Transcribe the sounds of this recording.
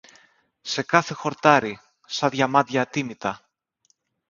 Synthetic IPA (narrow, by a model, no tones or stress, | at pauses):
se̞kɐθe̞xo̞ɾt̪ɐɾi | sɐðʝɐmɐt̪ʝɐːt̪imit̪ɐ